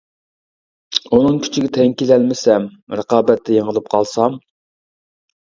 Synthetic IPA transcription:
unɨŋkʲʰy̥t͡ʃʰiɡʲɛt̪ʰɛŋʲkʲilɛlmɪsɛmɾəqɑːbɛt̪ʰːɛjeŋəlˠɨp̚qʰɑlˠsɑm

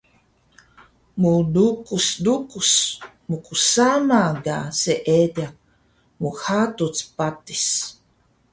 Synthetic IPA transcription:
mudukusdukus | mukusanaɡaseʔeda | muxatut͡spati̥s

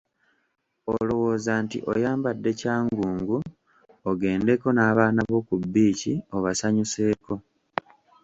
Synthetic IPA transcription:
olo̞wo̞ːzantḭʔo̰jaːmbadːe̞caːŋɡuːŋɡu | oɡe̞ːnde̞ko̞naːβaːnaβo̞kubːiːcio̞βasaɲuse̞ːko̞

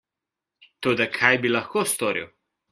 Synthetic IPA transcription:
t̪oːd̪akʰajbilɐxkost̪oːɾḭw

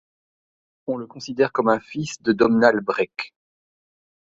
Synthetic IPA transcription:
ɔ̃ləkɔ̃sid̪ɛʁkɔmɛ̃fisd̪əd̪ɔmnalbʁɛk

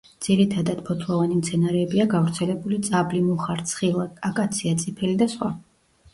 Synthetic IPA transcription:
d̪z̥iɾit̪ʰad̪ad̪̥pʰɔt̪ʰlˠɔvanimt̪sʰɛnaɾɛːbiaɡavɾt̪sʰɛlɛbulit̪sʼablimuχaɾt̪sʰχilˠakʼakʼat̪sʰiat̪sʼipʰɛlid̪asχwa

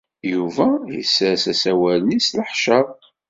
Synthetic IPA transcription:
juvæjə̰sːɾsæsæwælnisləħʃəð

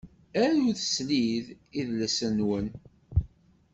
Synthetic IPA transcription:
æɾuθə̥slið | iðləsənwən

